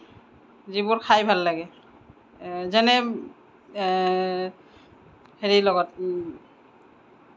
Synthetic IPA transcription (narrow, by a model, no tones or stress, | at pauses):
zibʊɹkʰajbʱalːaɡɛ | zɛnɛ | heɹilɔɡɔt̚